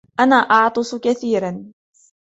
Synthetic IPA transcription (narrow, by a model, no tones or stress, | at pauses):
ʔanaːʔɑʕt̪ˤɨsˤkaθiːɾan